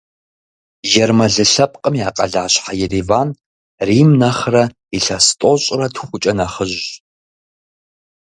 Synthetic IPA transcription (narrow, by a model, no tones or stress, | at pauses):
jɛrmɐɮɨɬɐpʼqʼəmjaːqʼɐɮaːɕħajɛriːvaːn | riːmnɐχrɐ | iɬɐstʼoɕʼrɐtʰχʷʊt͡ʃʼɐnɐχəʒ